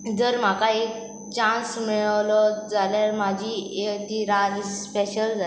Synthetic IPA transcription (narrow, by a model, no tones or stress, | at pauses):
d͡zəɾm̤akaek̚ | t͡ɕãnsmiɭlɔd͡zaljaɾmad͡ʑʱiet̪iɾad͡ʑspeɕəld͡za